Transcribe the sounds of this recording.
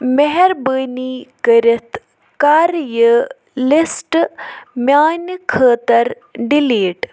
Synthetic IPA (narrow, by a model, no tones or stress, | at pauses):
meɦɛɾbəːniːkəɾit̪ʰ | kaːɾjə | lisʈmjaːnkʰəːt̪ɐɾ | ɖiliːʈ